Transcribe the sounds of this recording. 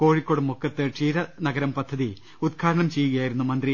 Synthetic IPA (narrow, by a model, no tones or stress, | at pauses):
ko̞ːɻikːoːɽumːukːɐt̪ːɨʈ͡ʂiːɾɐnɐɡɐɾɐmpɐd̪ʱːɐði | ud̪kʰaːɾɐɳɐmt͡ɕejːuɣɐjaːjiɾunːumɐnd̪ri